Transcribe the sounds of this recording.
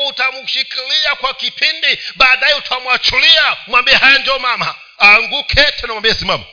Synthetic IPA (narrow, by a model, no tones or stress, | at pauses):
utamuʃikiliakwakipindiɓaːɗajɛutʰaamwat͡ʃuliamwambiɛhajand͡ʒɔmama | aːŋɡukʰɛtɛnamwambiɛsimama